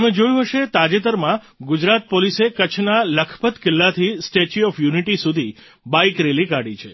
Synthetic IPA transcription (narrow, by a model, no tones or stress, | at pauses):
əmẽd͡ʒojũɦəʃet̪ad͡ʒet̪əɾmã | ɡud͡ʒɾat̪̚polisekət͡ʃʰnaləkʰpət̪kɪlːat̪ʰisʈet͡ʃiɔfjuniʈisud̪ʱi | baikɾelikaɽit͡ʃʰe